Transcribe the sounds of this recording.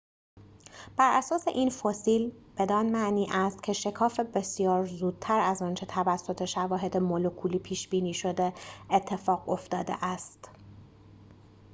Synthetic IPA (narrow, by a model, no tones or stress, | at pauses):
b̥æɾæsɒːse̞̰ʔiːnfosiːlb̥e̞d̪ɒːnmæʔniːʔæst̪̚cʲʰe̞ʃe̞kʰɒːfe̞be̞sijɒːɾzuːd̪̥̚t̪ʰæɾæzɒːnt͡ʃʰe̞t̪ʰævæsːo̞t̪ʰe̞ʃævɒːɦe̞d̪emolokʰuːliːpʰiːʃb̥iːniːʃo̞d̪eet̪ʰːe̞fɒːɣo̞ft̪ɒːd̪e̞̰ʔæst̪